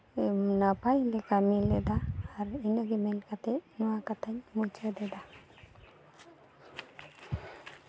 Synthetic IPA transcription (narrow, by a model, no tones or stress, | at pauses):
napaɲlɛkamilɛd̪aːɾinəɡimɛnkat̪ɛnɔwakat̪ʰaɲmut͡ʃəd̪ɛd̪a